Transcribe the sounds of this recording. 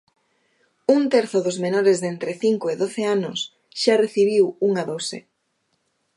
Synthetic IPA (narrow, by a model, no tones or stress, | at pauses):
uŋt̪ɛɾθʊðʊzmenoɾezðent̪ɾɪθiŋkoɪðoθeanʊs | ʃareθiβ̞iwuŋaðowsḛ